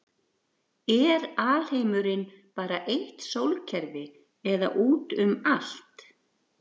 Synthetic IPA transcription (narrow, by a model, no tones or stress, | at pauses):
ɛɾaːl̥heːjmʏɾɪn | paːɾaʔejht̪sowlcʰɛɾvɪ | ɛða̰ʔuːt̪ʏmal̥t̪